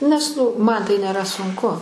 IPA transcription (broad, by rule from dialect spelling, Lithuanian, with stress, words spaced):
nʲɛs ˈnʊ ˈmɐn tɐɪ nʲeːˈrɐ sʊŋˈkʊ